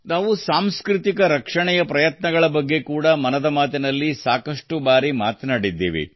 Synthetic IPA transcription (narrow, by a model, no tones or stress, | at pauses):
naːʋusaːmskɾit̪ikɐɾɐkʂɐɳɛjɐpɾɐjɐt̪nɐɡɐɭɐbɐɡːe̞kuːɽɐmɐnɐd̪ɐmaːt̪inɐlːisaːkɐʂʈubaːɾimaːt̪naːɽid̪ːḭːʋḭ